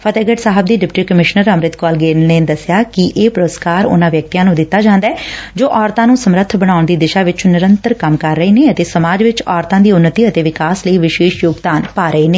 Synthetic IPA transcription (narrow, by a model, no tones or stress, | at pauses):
pʰət̪ɛːɡəʈsaːɦəb̚d̪iːɖɪpʈiːkəmɪʃnəɾəmɾɪt̪kɔːlɡeːnneːd̪əsɪjaːkɪʔeːpʊɾəskaːɾʊ̰nãːʋjək̚t̪ijãːnũːd̪ɪt̪ːaːd͡ʒãːnd̪aɛːd͡ʒoːʔɔːɾt̪ãːnũːsəmɾət̪ʰbəɽ̃aːʊɳd̪iːd̪ɪʃaːʋɪt͡ʃnɪɾənt̪əɾkəmkəɾːəiːneːət̪eːsəmaːd͡ʒʋɪt͡ʃɔːɾt̪ãːd̪iːʊnːət̪iːət̪eːʋɪkaːsləiːʋɪʃeːʃjoːɡd̪aːnpaːɾəeːneː